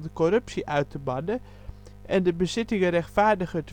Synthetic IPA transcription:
dəkɔrɵpsiʔœɥtəbɑdə | ʔɛndəbəzɪtɪŋərɛxtfaːɹdəɣət

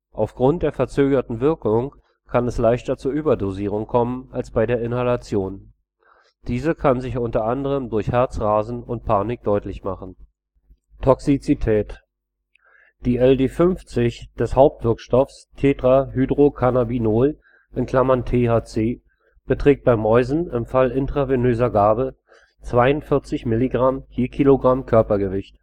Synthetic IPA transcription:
ʔaʊfɡ̥ʁʊnt̚d̥eːɐfɛɐt͡søːɡɐtn̩vɪɐkʊŋ | kʰanɛslaɪçtɐt͡suːɐʔyːbɐdoziːʁ̞ʊŋkʰɔmənalsb̥aɪdeːɐɪnhalat͡sjoːn | d̥iːzəkʰanzɪçʊntɐʔandəʁ̞əmdʊɐçhɛɐt͡sʁaːzn̩ʊntpʰaːnɪk̚d̥ɔʏtlɪçmaχn̩ | tʰɔksit͡sitʰɛːt | d̥iːɛldeːfʏnft͡sɪçd̥ɛshaʊp̚tv̥ɪɐkʃtɔfs | tʰeːdʁaɦyːdʁokʰanabinoːl | ʔɪnkʰl̥amantʰeːhaːt͡seː | b̥ətʁ̥ɛːk̚t̚b̥aɪmɔʏzn̩ɪmfalɪntʁ̥avenøːzɐɡaːbə | t͡sv̥aɪʊntfɪɐt͡sɪçmɪliɡʁamhiːɐkʰiːloɡʁamkʰœɐpɐɡəvɪçt

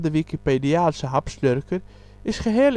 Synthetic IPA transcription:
dəʋikipediaːlsəɦapsløɾkəɾ | ɪsχəɦeːl

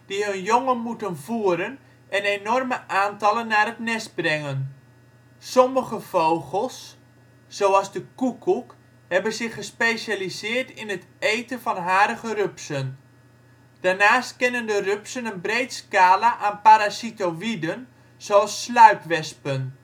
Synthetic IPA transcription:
d̥iɦɵnjoŋənmutənvuːəɾən | ɛnenɔrməʔaːntɑlənːaːrətnɛsbrɛŋən | sɔməχəvowχəlˠsː | owɑlˠzdəkukʰːuk | ɦɛbənzɪχəspeːʃalizɪːrtɪnɦətejtəvɑnɦaːɾəχərøpsən | d̥aːrnaːstkɛnəndərøpsənənbrejtskaːlaʔaːnpaɾasitoʋidən | z̥oɑlˠsːlœɥpʋɛspən

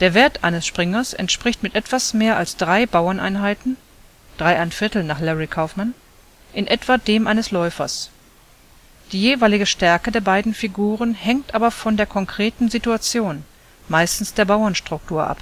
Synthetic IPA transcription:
d̥eːɐveːɐtʔa̰ɪnəsʃpʁ̥ɪŋɐsʔɛ̰ntʃpʁ̥ɪçtmɪtʔɛtv̥asmeːɐʔalsd̥ʁaɪbaʊɐnʔa̰ɪnɦaɪtn̩ | d̥ʁaɪʔaɪnfɪɐtl̩naːχlɛʁikʰaʊfman | ʔɪnʔɛtv̥adeːmʔaɪnəslɔʏfɐ̰s | d̥iːjeːvaɪlɪɡəʃtɛɐkədeːɐbaɪdn̩fiɡuːʁənhɛŋktʔaːbɐfɔndeːɐkʰɔŋkʁ̥eːtn̩zituat͡sjoːn | maɪstn̩sd̥eːɐbaʊɐnʃtʁ̥ʊk̚tʰuːɐʔa̰p

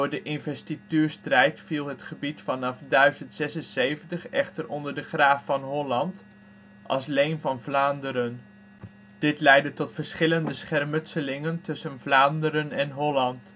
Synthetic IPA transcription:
dʊːɹdəʔɪnvɛstityːɹstrɛjtfilˠɦətχəbitfɑnɑfdœɥzəntsɛsənsejvəntəχɛ̰χtərɔndəɹdəχraːfːɑnɦɔlɑnt | ʔɑ̰lˠslejnvɑnvlaːndəɾən | d̥ɪtlɛjdətɔtfəɹsχɪləndəsχɛrmɵtsəlɪŋəntɵsənvlaːndəɾənɛnɦɔlɑnt

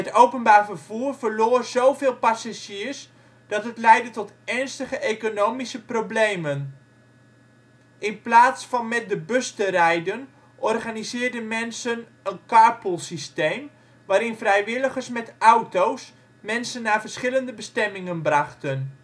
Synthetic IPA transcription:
ətowpənbaːɹvərv̥uːrvərloːrz̥owvɪːlˠpasaʒiːrs | d̥ɑtɦətlɛjdətɔtɛɹnstəχəʔejkonowmisəprowblejmən | ʔɪnplaːtsfɑnmɛt̚dəbøstərɛjdən | ʔɔrχaːnizɪːrdənmɛnsən | ənkaːpəlˠsistejm | ʋaːɾɪnvrɛjʋɪləχərsmɛtawtows | mɛnsənːaːvərsχɪləndəbəstɛmɪŋənbrɑχtən

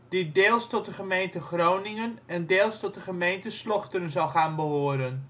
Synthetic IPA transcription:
d̥idɪːlˠstɔt̚dəχəmejntəχrownɪŋənɛndɪːlˠstɔt̚dəχəmejntəslɔχtəɾənzɑlˠχaːnbəʋoəɾən

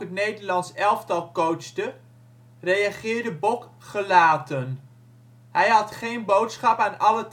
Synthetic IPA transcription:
ətnejdəɹlɑnsɛlˠftɑlˠkowsdə | rejaχɪːɹdəbɔk | χəlaːtən | ɦɛjɦɑtχejnbowtsχɑpaːnɑlət

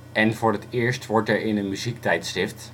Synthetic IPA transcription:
ʔɛnvʊːɹətɪːɹstʋɔɹtɛɹɪnənmyzik̚tɛjtstɪft

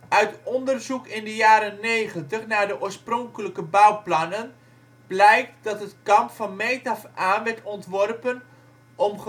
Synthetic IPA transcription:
ʔœɥtɔndərzukɪndəjaːɾənnːejχəntəχnaːɹdəʔoːɹsprɔŋkələkəbawplɑnən | b̥lɛjk̚tdɑtətkɑmpfɑnmejtɑfʔaːʋɛɹtɔntʋɔrpən | ʔɔmχ

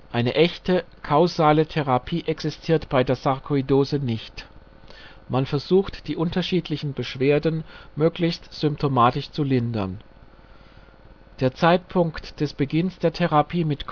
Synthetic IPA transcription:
ʔaɪnəʔɛçtə | kʰaʊzaːlətʰeʁ̞apʰiːʔɛksɪstʰiːɐtb̥aɪdeːɐzaʁkʰoidoːzənɪçt | manfɛɐzuːxtd̥iːʔʊntɐʃiːtʰlɪçn̩bəʃv̥eːɐdn̩møːklɪçstz̥ʏmp̚tʰomaːtɪʃt͡sulɪndɐ̰n | d̥eːɐt͡saɪtpʰʊŋktd̥ɛsb̥əɡɪnsd̥eːɐtʰeʁapʰiːmɪtkʰ

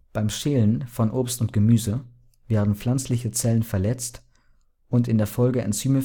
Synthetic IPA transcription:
b̥aɪmʃeːlənfɔnʔoːpstʊnt̚ɡ̥əmyːzə | veːɐdn̩pp͡fl̥ant͡slɪçət͡sɛlənfɛɐlɛt͡st | ʔʊntɪndeːɐfɔlɡəʔɛ̰nt͡syːmə

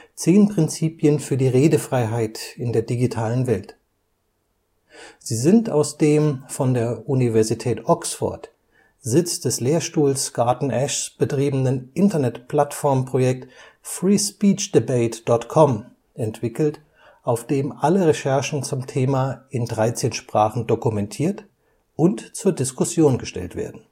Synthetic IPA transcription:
t͡seːnpʁ̥ɪnt͡siːpjənfyːɐdiːʁeːdəfʁ̥aɪɦaɪtɪndeːɐdiɡitʰaːlənvɛlt | z̥iːzɪnta̰ʊsd̥eːmfɔndeːɐʔunivɛɐzitʰɛːtʔɔksfɔ̰ɐt | zɪt͡sd̥ɛsleːɐʃtuːlsɡ̥aɐtn̩ʔɛʃsb̥ətʁ̥iːbn̩ənʔɪntɐnɛtpʰl̥atfɔɐmpʁ̥ojɛk̚t | fʁiːspiːt͡ʃd̥ibeɪtd̥ɔtkʰɔm | ʔɛntv̥ɪkl̩t | ʔaʊfd̥eːmʔaləʁeʃɛɐʃn̩t͡sʊmtʰeːmaʔɪndʁaɪt͡seːnʃpʁ̥aːχn̩dokumɛntʰiːɐt | ʔʊntt͡suːɐdɪskʊsjoːnɡəʃtɛ̰ltv̥ḛːɐdn̩

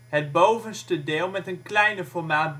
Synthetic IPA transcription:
ɦəd̚bowvənstədɪːlˠmɛtənklɛjnəfɔɹmaːt̚b

